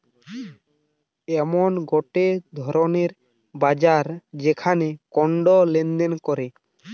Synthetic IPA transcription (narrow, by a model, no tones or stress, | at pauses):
ɛmɔnɡɔʈed̪ʱɔɾoneɾ | bad͡ʑaɾd͡ʑekʰanekɔɳɖɔlend̪enkɔɾe